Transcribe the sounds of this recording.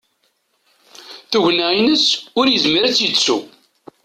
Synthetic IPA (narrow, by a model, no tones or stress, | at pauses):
θuʝnæinəsʊɾjəzməɾæt͡sːit͡sːṵ